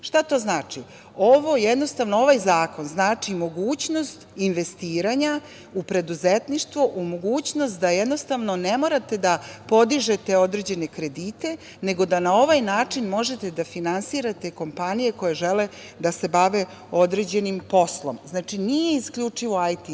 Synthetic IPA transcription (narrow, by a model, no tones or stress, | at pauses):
ʃt̪at̪o̞ːznaːt͡ʃi | oʋo̞jed̪nost̪aʋnoo̞ʋajzaːko̞nznaːt͡ʂimo̞ɡuːt͡ɕno̞st̪inʋe̞st̪iːɾaɲa | upɾe̞d̪uzet̪niʃt̪ʋoʔumo̞ɡuːt͡ɕnost̪̚d̪ajed̪nost̪aʋno̞ne̞mo̞ːɾat̪e̞d̪apo̞d̪iʒe̞t̪e̞o̞d̪ɾe̞ːd͡ʑe̞ne̞kɾe̞d̪it̪e̞ | ne̞ɡo̞d̪anao̞ʋajnaːt͡ʂinmo̞ʒe̞t̪e̞d̪afinansiːɾat̪e̞ko̞mpanije̞ko̞jeʒele̞ | d̪ase̞baʋe̞ | o̞d̪ɾe̞d͡ʑe̞nimpo̞slˠo̞̰mznaːt͡ʃinije̞iskʎʲut͡ʂiʋo̞ajt̪i